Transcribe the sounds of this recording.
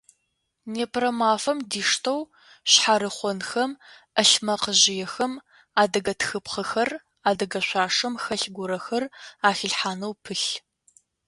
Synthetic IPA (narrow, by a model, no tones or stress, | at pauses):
neːpʰrɐmaːfɐmdiːʂtʰɐw | ɕħaɾɨχʷɔnxɐmʔɐɬmɐqəʑɪjɛxɐm | aːdɐɡɐtʰxɨpqɐxɐr | aːdɐɡɐɕʷaːʂɐmxɐɬɡʷʊɾɐxɐraːxɪɬħaːnɐwpʰɨɬ